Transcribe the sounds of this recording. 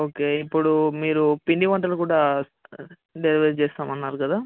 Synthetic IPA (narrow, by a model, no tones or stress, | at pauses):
o̞ːke̞ːipːuɽumiːɾupiɳɖiʋɐɳʈɐlukuːɽaː | ɖeliʋest͡ʃɛːst̪aːmɐnːaːɾukɐd̪aː